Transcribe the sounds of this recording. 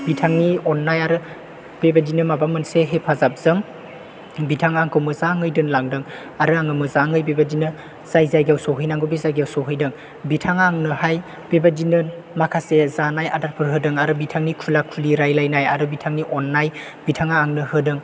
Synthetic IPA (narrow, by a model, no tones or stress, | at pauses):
b̥itʰaŋniɔnːajaɾɯ | b̥ebadinɯmabamɯnseɦepʰazap̚z̥ɯŋ | bitʰaŋaŋkʰɯwmɯzaŋɯjdɯnlaŋdɯŋ | aɾɯaŋɯmɯzaŋɯjbebadinɯ | z̥ajzajɡiawsɔɦɯjnaŋɡobezajɡiawsɔɦɯjdɯŋ | bitʰaŋaŋnɯhaj | b̥ebadinɯ | makʰasezanaja̰dat̚pʰɯɾɦɯdɯŋaɾɯbitʰaŋnikʰulakʰuliɾajlajnajaɾɯbitʰaŋniʔɔnːaj | bitʰaŋaːŋnɯhɯdɯŋ